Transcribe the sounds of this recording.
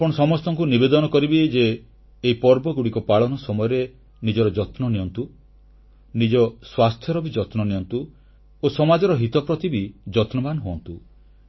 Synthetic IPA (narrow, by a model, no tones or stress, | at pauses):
apɔɽ̃ɔsɔmɔst̪ɔŋkunibed̪ɔnɔkɔɾibid͡ʒeː | ipɔɾbɔɡuɽikɔpaɭɔnɔsɔmɔjɔɾe | nid͡ʒɔɾɔd͡ʒɔt̪nɔniɔnt̪u | nid͡ʒɔswast̪ʰjɔɾɔbid͡ʒɔt̪nɔniɔnt̪u | osɔmad͡ʒɔɾɔɦit̪ɔpɾɔt̪ʰibid͡ʒɔt̪nɔbanɦoɔnt̪u